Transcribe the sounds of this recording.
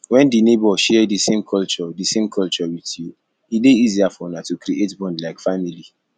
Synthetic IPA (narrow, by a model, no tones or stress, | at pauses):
wɛ̃ndinebɔʃɛdisẽmkʰɔlt͡ʃɔdisẽmkʰɔlt͡ʃɔwitju | ileiziafɔnatukɾiʔetbɔ̃ndlaɪkfamili